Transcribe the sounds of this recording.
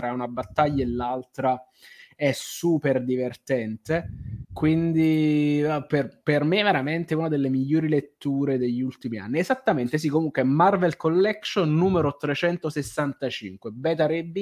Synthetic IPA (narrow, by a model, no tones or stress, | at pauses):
t̪ɾaunabat̪ːaʎːaelːalt̪ɾa | ɛsuːperd̪ivert̪ɛnt̪ekwind̪i | perpermeveɾament̪eunad̪elːemiʎːoːɾilet̪ːuːɾed̪eʎːiult̪imia̰nːiɛzat̪ːament̪es̬ikːomuŋkweɛmarvelkolːɛkʃonːuːmeɾot̪ɾet͡ʃɛnt̪osesːant̪at͡ʃḭŋkwebɛt̪aɾɛbːi